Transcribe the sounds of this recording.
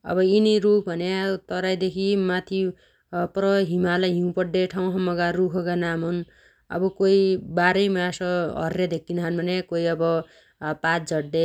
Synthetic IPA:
ʌ̰bʌiniɾup̚bʱʌnat̪ʌɾajd̪ekʰimat̪ʰi | prʌɦimalaɦĩũpʌɽɖeʈʰaw̃ɦʌmʌɡarukʰʌɡanamɦʌn | ʌ̰bʌkoibaɾʌjmasʌɦʌ̰rːed̪ekːinɦanbʱʌnekoiʌbʌ | patd͡zʌɽe

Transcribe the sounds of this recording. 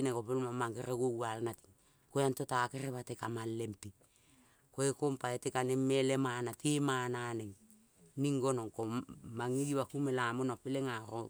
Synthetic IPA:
nekopelmamaŋɡeɾeɡowalnati̥ŋ | kojantotakeɾeβatekamalːempi | koekompaetekanemːelemanatimananeŋ | niŋɡonoŋkomaŋiɡiwakumelamonopeleŋaɾo

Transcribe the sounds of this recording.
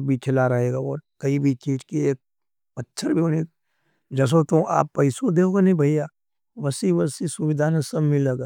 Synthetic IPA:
bʱikʰɪlaɾɐɦeːɡaɔːɾkɐibʱit͡ʃiːʈkieːk̚ | bɐtːʃʰəɾbʱione | d͡ʒɐs̬ot̪oʔa̰ːpːɐɪsod̪eːoɡanɐĩbʱɐija | ʋɐsiʋɐsisʊʋɪd̪ʱaːnesɐbmɪleɡaː

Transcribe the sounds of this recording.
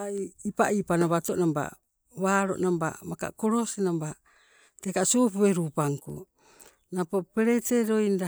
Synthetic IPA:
aiipaʔipanaβatoʔnamba̰ | βaːɾo̰ʔnamba̰maka̰koɾosenamba | tekasopueɾupaŋkṵ | napopeɾeteɾojnda

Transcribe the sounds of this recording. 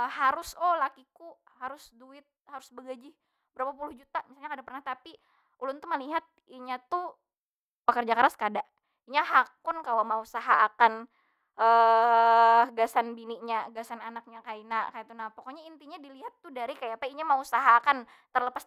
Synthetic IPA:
əhaɾʊsɔlakikuhaɾʊsduɪt̪̚haɾʊsbəɡad͡ʒɪh | bəɾapapulʊhd͡ʒut̪amisalɲakadapərnaht̪api | ulʊnt̪uməliɦat̪̚iɲat̪u | pəkərd͡ʒakaɾaskadaʔ | iɲaɦakʊnkalomausaɦaːkan | ʔə | ɡasanbiniɲaɡasananak̚ɲakainakajat̪unapɔkoɲaint̪iɲadiliɦat̪ːudaɾikajapaiɲamausaɦakant̪ərləpas

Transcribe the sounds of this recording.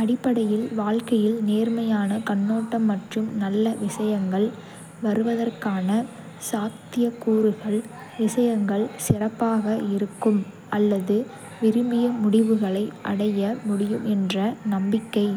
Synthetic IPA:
ɐɽɪpːɐɽɐjɪlʋaːlkɐjɪlneːrmɐjaːnɐkɐɳːoːʈːɐmːɐʈrɯmnɐlːɐʋɪsɐjɐŋɡɐɭ | ʋɐɾɯʋɐðɐrkaːnɐ | saːkt̪ɪjɐkuːɾɯɣɐɭ | ʋɪsɐjɐŋɡɐɭsɪrɐpːaːɣɐɪɾɯkːɯm | ʔɐlːɐðɯ | ʋɪɾɯmbɪjɐmʊɽɪʋɯɣɐɭɐɪʔɐ̰ɽɐjɐmʊɽɪjɯmɛndrɐnɐmbɪkːɐɪ

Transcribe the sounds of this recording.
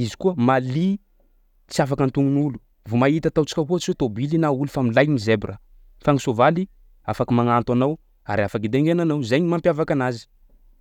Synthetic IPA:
izi̥kuəmali | t͡siafakənt̪uŋunulu̥ | vumait̪ət̪awt͡ʃi̥kʲaɦot͡siwet̪obilinaulufamilajnizebrʔə | faŋisovali | afakəmaŋant̪anaw | a̰ɾafakid̪eŋenanawzejɲimampjavakanazi̥

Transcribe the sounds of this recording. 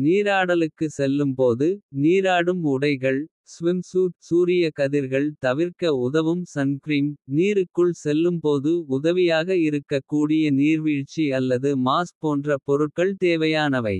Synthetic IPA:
niːɾaːɽɐlɯkːɯsɛlːɯmpoːðɯniːɾaːɽɯmʊɽɐɪɣɐɭ | sʋɪmsuːʈsuːɾɪjɐkɐðɪɾɣɐɭt̪ɐʋɪɾkɐʊðɐʋɯmsɐnkɾiːmniːɾɯkːɯɭsɛlːɯmpoːðɯʊðɐʋɪjaːɣɐɪɾɯkːɐkːuːɽɪjɐniːɾʋiːɻt͡ʃːiɐlːɐðɯmaːspoːndrɐpɔɾɯʈ̚kːɐɭt̪eːʋɐjaːnɐʋɐɪ

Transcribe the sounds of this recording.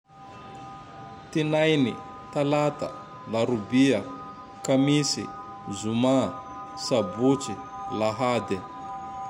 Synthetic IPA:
t̪inajnḭ | t̪alat̪a̰ | laɾubia | kamisḭ | zuma | sabut͡ʃilaɦad̪ɛ

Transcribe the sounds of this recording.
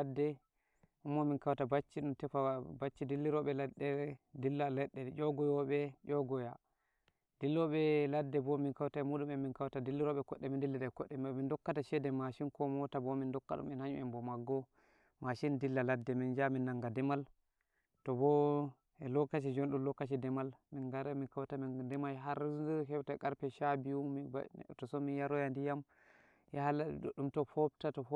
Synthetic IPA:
dːɛ | ʔumːɔminkawtabat͡ʃːiɗumtɛfabat͡ʃːidilːiɾɔɓɛlɛdɛdilːalɛɗːɛʔɔɡɔjɔɓɛd͡ʒɔɡɔja | d̥ilːɔɓɛladːɛbɔminkawtaɛmuɗumɛminkawtadilːiɾɔɓɛkɔɗːɛmindilːiɗakɔɗːɛmmindɔkːataʃɛdɛmaʃinkɔmɔtabɔmindɔkːa̰ɗṵmɛnhaɲṵʔɛmbɔmaɡːɔ | maʃindilːaladːɛmind͡ʒaminːaŋɡadɛmal | tɔbɔ | ɛlɔkat͡ʃid͡ʒɔnɗumlɔkːat͡ʃ̬idɛmalminɡaɾaminkawtamindɛmajɦaɾukɛwtaɛkaɾpɛʃabiwumiba̰tɔsɔminjaɾɔjandijam | jɛhalaɗḭɗɗumtɔfɔbtatɔf

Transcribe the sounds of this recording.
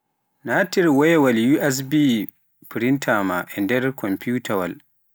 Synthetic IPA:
natiɾwɛjwaljuʔɛs̬bi | pɾintʰama̰ʔɛndɛɾkʰɔmpuːtʰawa̰l

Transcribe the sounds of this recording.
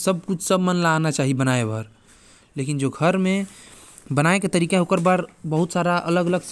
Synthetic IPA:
səb̚kut͡ʃʰsəbmənlanat͡ʃaɦibənaebəɾ | lekind͡ʒoɡʱəɾme | bənaeket̪əɾikẽokəɾbaɾbəɦut̪saɾaʔə̰ləɡələɡs

